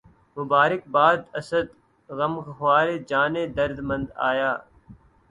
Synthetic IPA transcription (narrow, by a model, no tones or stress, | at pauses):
mʊbaːɾɪk̚baːd̪əsəd̪ | ɣəmɣɦʋaːɾeːd͡ʒaːneːd̪əɾd̪mə̃nd̪a̰ːjaː